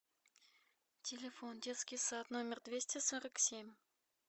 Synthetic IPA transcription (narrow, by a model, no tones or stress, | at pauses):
tʲelʲɪfondʲet̪skʲijsat̪nomʲɪrd̪vʲesʲtʲɪsoɾəksʲemʲ